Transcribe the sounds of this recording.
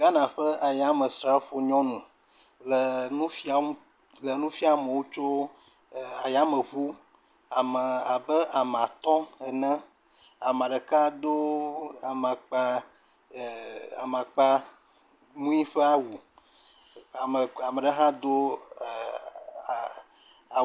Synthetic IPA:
ɡa˦nã˨ɸə˦ʔa˨ja˦mə̃˨sɾa˦fo˨ɲɔ̃˦nũ˨ | lə˨nũ˦fi˦a˨˦ | lə˨nũ˦fi˦a˨mə̃˨wo˦t͡ʃo˦˨ | a˨ja˦mə̃˨ɦu˦ | a˨mə˨a˨bə˦ʔa˨m˨a˨t̪ɔ̃˦ɛ˨nɛ̃˦ | a˨m˨a˨ɖə˨ka˦d̪o˦a˨m˨a˨k͡pa˦˨ | a̰˨m˨a˨k͡pa˦ | mũ˦i˦ɸə˦a˦wu˨ | mə˨a˨mə˨ɖə˦ɦã˦d̪o˦˨

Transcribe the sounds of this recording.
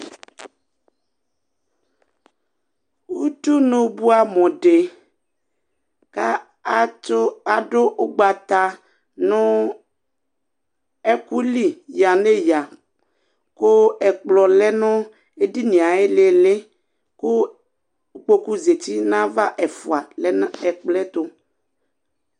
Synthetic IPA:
wu˦t̪u˦nõ˦bu˦a˦mɔ̃˨ɖe˨ | ka˦ | a˨ɖo˦ʔo˦ɡ͡ba˨t̪a˦ | nõ˦ | e˦ku˦li˨ja˨ne˦ja˨ | ko˦ɛ˨k͡plɔ˨lɛ˦nɔ̃˦ | e˦di˦nĩ˨a˨e˦le˨le˦ | ko˦ | k͡po˦ku˦ze˨t͡ɕi˦nã˦va˦ʔɛ˨fu˨a˨lɛ˦ɛ˨k͡plɛ˦t̪o˦

